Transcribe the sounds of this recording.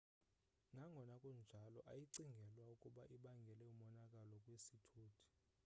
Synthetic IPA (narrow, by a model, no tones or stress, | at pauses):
nʱaŋɡʱɔnakʼund͡ʒʱalɔʔajiǀiŋɡʱɛlwaukʼuɓaʔiɓaŋɡʱɛlɛumɔnakʼalɔkʼwesitʰuːtʰi̥